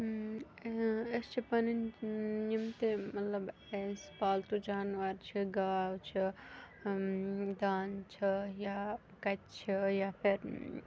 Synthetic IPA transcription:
est͡ʃʰipɐninnimt̪emɐt̪lɐb | espaːlt̪ud͡ʒaːnʋɐɾt͡ʃʰiɡaːwt͡ʃʰi | d̪aːnt͡ʃʰija | kɐt̪t͡ʃʰijapʰiɾ

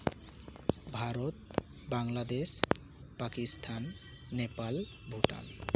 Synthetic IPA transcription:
bʱaɾot̪ | baŋlad̪es | pakist̪ʰanː | epal | bʱuʈa̰l

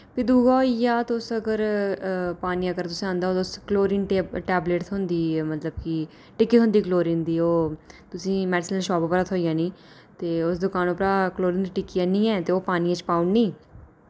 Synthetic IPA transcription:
pid̪uːɡaːijaːt̪ːʊsəɡəɾ | paːniːãəɡəɾt̪ʊsĩːãːnd̪aːoːt̪ʊskloːɾiːnʈɛːbleːʈt̪ʰɦʊnd̪iːmət̪ləbki | ʈɪkːiːɦʊ̃nd̪iːkloːɾiːnd̪iːoːt̪ʊsĩːmɛːɖɪsnəlʃɔːpaːpɾaːt̪ʰoːijãːnĩː | t̪eːʊsd̪ʊkaːnoːpɾaːkloːɾiːnd̪iʈɪkːijãːnĩːɛːt̪eːoːpaːniãːt͡ʃpaːuɳɖnĩː

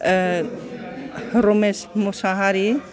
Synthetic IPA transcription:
ɾomesmʊsaɦaɾi

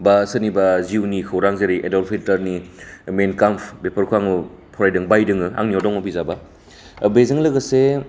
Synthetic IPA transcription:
basɯnibaziwnikʰɐwɾaŋzeɾiʔḛdɔlpʰitɐɾnimenkampʰbepʰɐɾkʰuaŋu | pʰɔɾajdɯŋbajdɯŋɯa̰ŋniɔdɔŋɔbizaba | bezɯŋlɐɡɐse

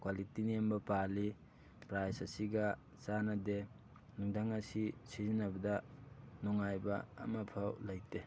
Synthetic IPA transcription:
kwalitiniambɐpali | pɾajsɐsiɡɐ | t͡ʃanade | nuŋdʱaŋɐsisizinɐbɐdɐnɔŋajbɐ̰ːmɐpʰawlajte

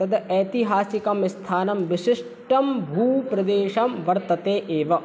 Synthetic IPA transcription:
ɐd̪ɐːt̪iɦaːsikɐmst̪ʰaːnɐmʋiʃɪʂ | ʈɐmbʱuːpɾɐd̪eːʃɐmʋɐɾt̪ɐt̪eːʔeːʋɐ

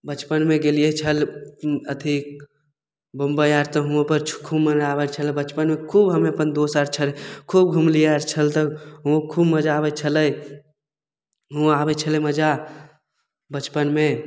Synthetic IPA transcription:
bət͡ʃpənmẽɡeliet͡ʃʰələt̪ʰi | bəmbəjaɾt̪ɔɦuõpəɾt͡ʃʰkʰubmənabət͡ʃʰəlbət͡ʃpənmekʰuːbɦəmepənd̪osaɾt͡ʃʰəlkʰub̚ɡʱumlijaɾt͡ʃʰəlt̪əɦũkʰubməd͡ʒaːbət͡ʃʰələj | ɦuaaːbɛt͡ʃʰəleməd͡ʒa | bət͡ʃpənmẽ

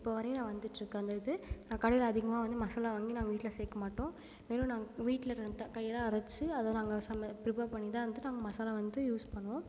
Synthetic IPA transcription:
ɪpːoːʋɐɾɐjʊ̃nãːʋɐnd̪ɯʈːɾɯkːɯ̃ɐnd̪ɐɪðɯnãːɐkɐɽɐjɪlɐɐðɪɣɐmaːʋɐnd̪ɯmɐsalaːʋaːŋɡinaːɡɐʋiːʈːɪlɐseːkːɐmaːʈːõː | ʋeːɾɯ̃naːɡɐʋiːʈːlɐɾɐnd̪akɐjːɐlãːɐɾɐsɯɐðanaːŋɡɐsɐmɐpɪɾɪpɐːɾpɐɳːɪt̪ãːʋɐnd̪ɯnaːŋɡɐmɐsaːlaʋɐnd̪ɯjuːspɐɳːɯʋõː

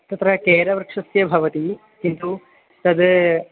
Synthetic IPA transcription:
t̪ːɐt̪ɾɐkeːɾɐʋɐɾkʂɐsjɐbʱɐʋɐt̪i | kint̪u | t̪ɐd̪

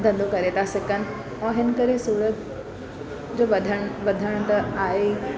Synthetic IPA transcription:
d̪ʱɐ̃nd̪ʱokɐɾet̪ʰasɪkənɪ̆ | ɛ̃ːɦɪnkəɾẽsuːɾət̪̚ | d͡ʑoːʋɐd̪ʱəɽ̃ʋɐd̪ʱəɽ̃t̪ɐaːɦe

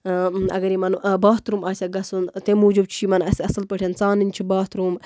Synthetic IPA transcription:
ɐ̰ɡɐɾimɐnbaːt̪ɾumaːsʲɐɡɐsunt̪emuːd͡ʒub̚t͡ʃʰiːmɐnɐsʲɐsɐlpəʈʰʲent͡saːnɨnʲt͡ʃʰibaːt̪ɾuːm

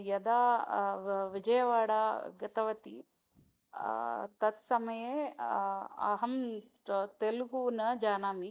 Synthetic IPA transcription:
jɐd̪aː | ʋid͡ʒɐjɐʋaːɽaːɡɐt̪ɐʋɐt̪i | t̪ɐt̪sɐmɐje | ɐ̰ɦɐm | t̪elɡunɐd͡ʒaːnaːmi

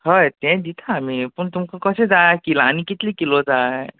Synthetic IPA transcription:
həjt̪ɛ̃d̪it̪ʰaːmipuɳt̪umkʰakəsed͡zakilaːñikit̪likilɔd͡za

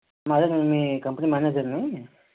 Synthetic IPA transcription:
mad̪ɐnmiːkɐmpɐnimaːned͡ʒɐɾni

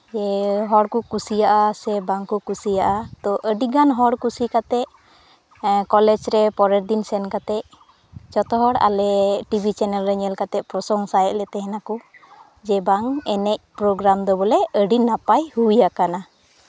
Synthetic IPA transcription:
d͡ʒɛɦɔɽkukusijaʔasɛbaŋkukusijaʔat̪ɔʔəɖiɡanɦɔɽkusikat̪ɛʔ | kɔlɛd͡ʒɾɛpɔɾɛɾd̪insɛnkat̪ɛʔ | t͡ʃɔt̪ɔɦɔɽa̰lɛʈibʱit͡ʃɛnɛlɾɛɲɛlkat̪ɛʔ̪̚pɾɔsɔŋsajɛʔ̚lɛt̪ɛɦɛnaku | d͡ʒɛbaŋɛnɛc̚pɾoɡɾamd̪ɔbɔlɛəɖinapajhujakana

